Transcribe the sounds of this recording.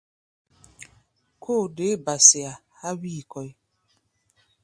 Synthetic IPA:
kʰo˦˨de˨˦ba˨sɪ˨a˨ | ha˦wiː˦˨kɔ˨i˦

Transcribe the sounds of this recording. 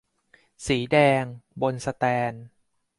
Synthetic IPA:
siː˩˦dɛː˧ŋbo˧nsa˧t̪ɛː˧n

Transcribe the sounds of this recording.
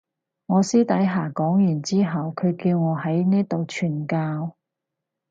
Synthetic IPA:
ŋɔː˨˧siː˥t̪ɐ˨˥jɦaː˨˩kɔː˨˥ŋjyː˨˩nt͡siː˥ɦɐ˨wkʰɵ˨˧ɥkiː˧wŋɔː˨˧hɐ˨˥jniː˥t̪o˨wt͡ʃʰyː˨˩nkaː˧w

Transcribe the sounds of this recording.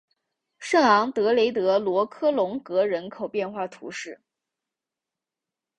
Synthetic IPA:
ʂɤ˥˩ŋɑ˧˥ŋt̪ɤ˧˥le˧˥ɪt̪ɤ˧˥lwɔ˧˥kʰɤ˥lʊ˧˥ŋkɤ˧˥ɻə˧˥nkʰo˨˩ʊpjɛ˥˧nxwa˥˩t̪ʰṵ˧˥ʂɻ̩˥˩

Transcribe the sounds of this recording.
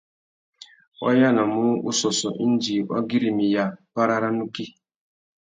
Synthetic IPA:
wɔ̰˦ja˦na˨mʊ˦u˦sɔ˨sɔ˨ʔi˦n˦d͡ʒi˨wa̰˦ɡi˦ɾi˨mi˨ja˦pa˦ɾa˦ɾa˦nu˦ki˦

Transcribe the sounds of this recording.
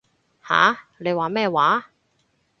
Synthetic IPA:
ha̰ː˨˦le˨˧jwaː˨˥mɛː˥˩waː˨˥

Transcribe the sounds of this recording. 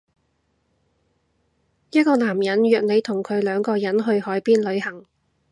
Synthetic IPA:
jɐ˥t̚kɔː˧laː˨˩mjɐ˨˥njœː˨k̚ne˨˧jt̪ʰʊ˨˩ŋkʰɵ˨˧ɥlœː˨˧ŋkɔː˧jɐ˨˥nɦɵ˧ɥhɔː˨˥jpiː˥nlɵ˨˧ɥhɐ˨˩ŋ

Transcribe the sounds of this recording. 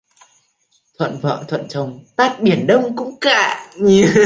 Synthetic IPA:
t̪ʰwə̰˧˨nvə̰ː˧˨t̪ʰwə̰˧˨nt͡ɕə˨˩wŋ͡mt̪aː˦˥t̚ɓi˨˧˩ənɗə˧wŋ͡mkʊ̰˧˥ŋ͡mka̰ː˧˩˨ɲɨ˨˧˨

